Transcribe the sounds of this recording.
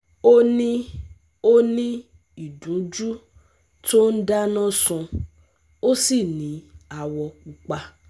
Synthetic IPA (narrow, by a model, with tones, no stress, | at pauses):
o˦nĩ˦ | o˦nĩ˦ | i˨dũ˨˦d͡ʒu˦ | to˦n̩˦da˦nɔ̃˦sũ˧ | o˦si˦˨nĩ˨˦a˨wɔ˧ku˧k͡pa˧